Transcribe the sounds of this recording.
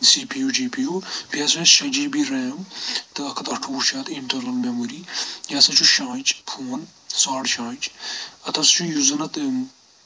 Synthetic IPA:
siːpijuːd͡ʒiːpijupiɐsɐ̃ʃɐ̃d͡ʒiːbiɾɛːmt̪ɨɐkʰɐt̪ɐʈʰuːɾt͡ʃʰaːt̪iɳʈɐɾɐlmɐmuɾiːjaːsɐ̃t͡ʃʰuʃãːt͡ʃpʰuːnsaːɽʃãːt͡ʃɐt̪ɐst͡ʃʰujuzɐnɐt̪

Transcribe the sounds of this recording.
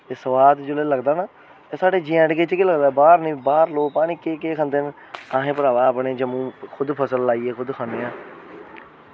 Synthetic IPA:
t̪eːsəʋaːd̪d͡ʒʊleːləɡd̪aːnaː | t̪eːsaːɖeːd͡ʒiːɛːɖɡeːt͡ʃəkiləɡd̪aːbaːɾnĩːbaːɾloːpaːɽ̃ĩːkeːkeːkʰə̃nd̪eːn | ãːɦẽːpəɾaːʋaːəpɳẽːd͡ʒəmũːkʰʊd̪pʰəsəlːaːiːeːkʰʊd̪kʰãːneːãː

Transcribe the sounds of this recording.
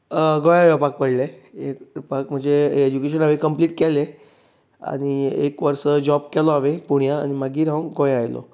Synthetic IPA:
ɡojajɔpakpəɽleekpak̚m̤ə̃ɳd͡zeed͡ʑukeɕ̬ənaʋekəmpliːʈkɛle | a̰ñiḛkʋəɾsəd͡ʑɔbkɛlɔaʋepuɳjaːnimaɡiːɾãɡojajlɔ̰

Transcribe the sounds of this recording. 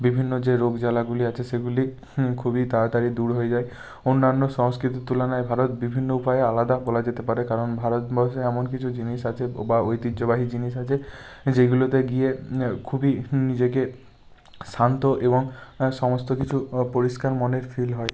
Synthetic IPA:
bibʱinːod͡ʑeɾoɡd͡ʑalaɡuliat͡ɕʰeseɡuli | kʰubit̪aat̪aɾid̪uɾɦojed͡ʑae | onːanːoʃɔŋskɾit̪̬it̪ulanaebʱaɾot̪bibʱinːoupaealad̪abɔlad͡ʑet̪epaɾekaɾonbʱaɾɔt̪bɔʃeɛmonkit͡ɕʰud͡ʑiniʃat͡ʃʰebaojt̪idd͡ʒobaɦid͡ʑiniʃat͡ʃʰe | d͡ʑeɡulot̪eɡiekʰubinid͡ʑeke | sʰant̪oʔebɔŋʃɔmost̪okit͡ɕʰupoɾiskaɾmɔneɾfʰilɦɔe

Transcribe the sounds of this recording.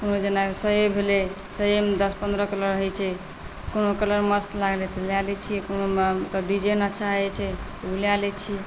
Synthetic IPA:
konod͡ʒenasəebʱelɛ | səemd̪əspənd̪ɾəkələɾəɦɛt͡ʃʰɛ | konokələɾməst̪laɡlɛt̪ljalɛt͡ʃʰijɛkonomt̪ɔɖid͡ʒenətːʃʰaɦɛt͡ʃʰɛt̪ɔmilijalɛt͡ʃʰiɛ

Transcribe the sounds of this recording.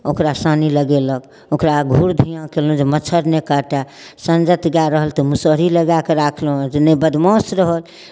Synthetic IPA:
okɾasaniləɡelək | okɾaɡʱuɾd̪ʱijãkelũd͡ʒemət͡ʃʰəɾnekaʈa | sə̃nd͡ʒət̪ɡaɾəɦəlt̪ɔmusəɾiləɡakeɾakʰlũd͡ʒenəbəd̪mɔ̃sɾəɦəl

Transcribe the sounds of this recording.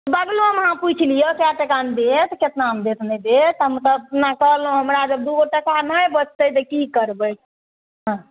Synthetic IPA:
bəɡloɦəməɦãput͡ʃʰlijəkjaʈəkand̪et̪ket̪naɦəmd̪et̪ʰnəd̪et̪ɦəmət̪ləbpnakəɦlũɦəmɾad͡ʒəb̚d̪uoʈakanajbət͡ʃʰt̪ət̪əkikəɾbəj̚ | ɦã

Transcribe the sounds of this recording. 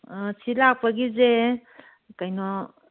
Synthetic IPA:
silak̚paɡize | kajnɔ

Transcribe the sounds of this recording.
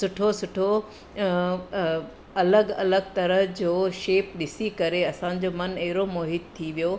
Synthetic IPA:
sʊʈʰosʊʈʰo | ɐləɡɐləɡt̪ɐɾəɦd͡ʑoːʃeːp̚ɗɪsikɐɾeɐsã̆d͡ʑoːmɐnɐɦɪɾomoːɦɪt̪̚t̪ʰːiʋijoː

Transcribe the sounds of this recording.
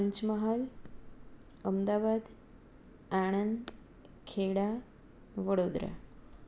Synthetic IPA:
ɲt͡ɕməɦal | əmd̪abad̪ | aɽ̃ənd̪ | kʰeɽa | ʋəɽod̪ɾa̰

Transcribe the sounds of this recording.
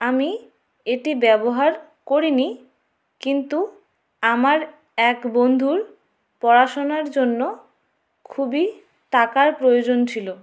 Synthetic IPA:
ami | eʈibɛboɦaɾ | koɾini | kint̪u | amaɾ | ɛkbond̪ʱuɾ | pɔɾaʃonaɾd͡ʑonːo | kʰubi | ʈakaɾpɾojod͡ʑont͡ɕʰilo

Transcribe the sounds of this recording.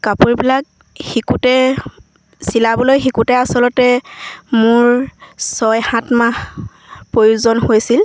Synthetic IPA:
kapuɹbilak | xikutɛ | silabɔlojxikutɛasɔlɔtɛmʊɹsɔjhãtmax | pɹojuzɔnhojsil

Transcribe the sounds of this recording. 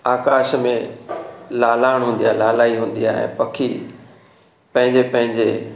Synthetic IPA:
aːkaːʃmẽ | laːlaːɪɽ̃ɦũːn̆d̪ijaːlaːlaːiɦũːn̆d̪ijaːɛ̰̃ːpɐkʰi | pɐ̃ɦɪ̃ɲd͡ʑepɐ̃ɦɪ̃ɲd͡ʑe

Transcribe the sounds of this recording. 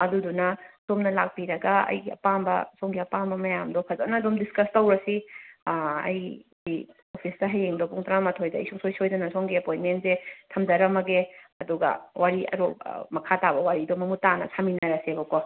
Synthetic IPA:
ɐdudunɐsomnɐlak̚piɾɐɡɐɐ̰jɡiɐ̰pambɐ̰soŋɡiɐpambɐmɐjamdokʰɐzɐnɐːdomdiskɐstɐwɾɐsi | ɐ̰jɡi | opʰisdɐɦɐjeŋdopuŋtʰaɾamɐtʰojdɐɐ̰jsuŋsojsojdɐnɐsoŋɡiɐpojnmentzetʰɐmdɐɾɐmɐɡeɐduɡɐ̰waɾiʔɐ̰ɾopmɐkʰatabɐwaɾidomɐmutanɐ̰sʰaminɐɾɐsebɐko

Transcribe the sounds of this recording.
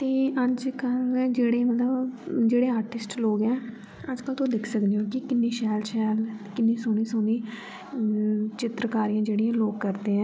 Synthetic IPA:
t̪eːəd͡ʒkəld͡ʒeːɽeːmət̪ləbd͡ʒeːɽeːaːɾʈɪsʈloːɡɛː | əd͡ʒkəlt̪oːd̪ɪkʰsəkd̪eːɦõːkɪkɪnːeːʃɛːlʃɛːlkɪnːiːsʊniːsʊniː | t͡ʃɪt̪ɾəkaːɾijãːd͡ʒeːɽiːɛ̃ːloːɡ̚kəɾd̪eːɛ̃ː

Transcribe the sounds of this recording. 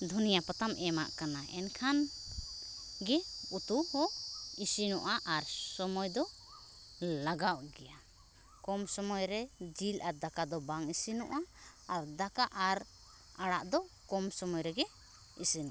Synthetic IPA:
d̪ʱunijapat̪amɛma̰ʔkanaʔɛnkʰan | ɡɛut̪uhɔisinɔʔaʔaɾsɔmɔjd̪ɔ | laɡaʔɡɛja | kɔmsɔmɔjɾɛd͡ʒilʔad̪akad̪ɔbaŋisinɔ̰ʔaː | ɾd̪akaʔaɾ | aɽaʔd̪ɔ | kɔmsɔmɔjɾɛɡɛ | isinɔ̰ʔa

